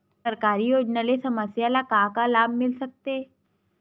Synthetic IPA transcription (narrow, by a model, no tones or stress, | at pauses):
ɐɾkaːɾijoːd͡ʒnalesɐməsjalakaːkalaːb̚ʱmɪlsɐk̚t̪e